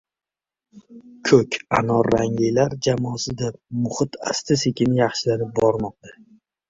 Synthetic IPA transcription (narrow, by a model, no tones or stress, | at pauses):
kʰɵkʲanɒɾːaŋlɪjlaɾd͡ʒamɒsɪd̪amʊχɨt̪ʰa̰st̪ʰɪsekʲʰɪnɪjɑχʃɪlaɾɪp̚bɒɾmɒq̚t̪ʰḁ